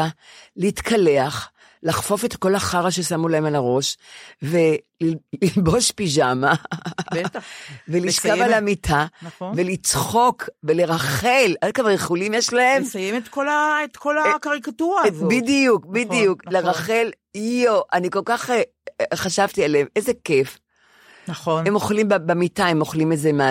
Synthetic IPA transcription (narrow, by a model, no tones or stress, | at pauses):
aliitkʰale̞aχ | laχfofetko̞laχaʁaʃesamulaemalaʁo̞ʃve̞llilbo̞ʃpiʃama | veliʃkavalamitʰave̞lit͡sχo̞kvele̞ʁaχeladkavaʁeχulimjeʃlae̞mmsajemet̪kolaet̪kolakaʁikatuʁazbidijukbidijukleʁaχe̞l | joʔaniko̞lkaχe | χaʃavtialeemejzeke̞f | noemoχlimbbemitaemoχlimezemea